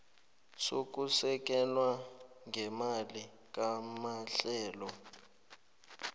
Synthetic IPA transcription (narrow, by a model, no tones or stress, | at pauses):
sok̬usɛk̬ɛlwaŋʱɛmali | kamaɬɛːlɔ